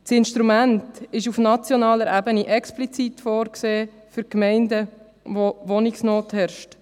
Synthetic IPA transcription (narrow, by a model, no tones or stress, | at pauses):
sɪnʃtɾumæntɪʃufnɑt͡sjonɑːləɾʔæbəniʔɛksplit͡sitfoːɾkseː | fyɾkmɛɪndə | ʋoʋɔnɪksnoːthɛɾʃt